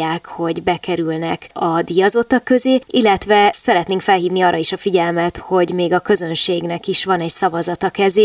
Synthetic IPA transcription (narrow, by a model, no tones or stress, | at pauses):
aːkho̞ɟbɛkɛɾylnɛkɒd̪ijɒzo̞t̪ːɒkːø̞zeːilːɛt̪ʋɛsɛɾɛt̪neːŋkfɛlɦiːvniɒːrʔɒiʃɒfiɟɛlmɛt̪ho̞ɟmeːɡɒkø̞zø̞nʃeːɡnɛkiʃʋɒnɛcsɒvɒzɒt̪ɒkɛzeː